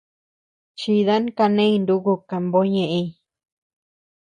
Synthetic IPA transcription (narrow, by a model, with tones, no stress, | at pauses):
t͡ʃi˧ða˦n˦ka˧nẽ˦i˧nd̪u˧ku˧ka˧mbo˧˦ɲẽ˧˨ʔẽ˧i˧